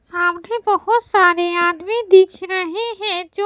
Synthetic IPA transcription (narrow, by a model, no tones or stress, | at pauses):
saːmnebəɦʊt̪saːɾiaːd̪mid̪ɪkʰɾəɦiɦɛ̃d͡ʒo